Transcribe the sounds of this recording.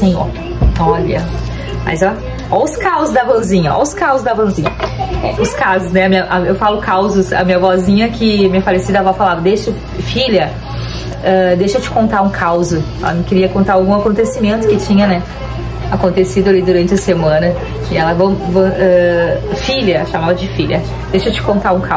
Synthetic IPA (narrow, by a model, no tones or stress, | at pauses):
sẽjo̰ɾ | ɔʎɐ̰ | ma̰jzɔ | ɔʊskawzʊzd̪ɐvõzĩɲɐɔ̰ʊskawzʊzd̪ɐvõzĩɲɐ̰ɛ̰ʊskazʊsnɛɐmĩɲɐʔaewfalʊkawzʊsɐ̰mĩɲɐvɔzĩɲɐkʲɪmĩɲɐfalesid̪avafalaɾd̪ejʃɐ | fiʎɐ | ɛd̪ejʃewt͡ʃɪ̥kõnt̪aɾũkʰawzʊɛ̰lɐnɐ̃kɪɾiɐkõnt̪aɾawɡũakõnt̪esimẽnt̪ʊkɪt͡ʃĩɲɐnɛ | akõnt̪esid̪ʊalid̪uɾɐ̃nt͡ʃɪɐsemɐ̃nɐ | ɪɛlɐvɐ̃w̃vɐ̃ɛfiʎɐʃamavɐd͡ʒɪfiʎʲɐ | d̪ejʃet͡ʃɪ̥kõnt̪aɾũkaw